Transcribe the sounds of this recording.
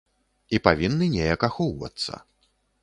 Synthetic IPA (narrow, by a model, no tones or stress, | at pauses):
ipavʲinːɨnʲɛjɐkaxɔwvɐ̰t̪sːɐ̰